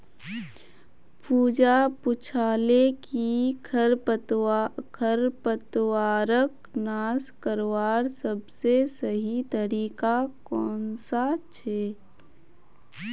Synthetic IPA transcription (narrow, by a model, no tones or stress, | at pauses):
puːd͡ʒapʊt͡ʃʰaːlekikʰɾ | kʰəɾpət̪waːɾək | naːskəɾwaːɾsəbsesəɦit̪əɾiːkakɔːnsat͡ʃʰɛː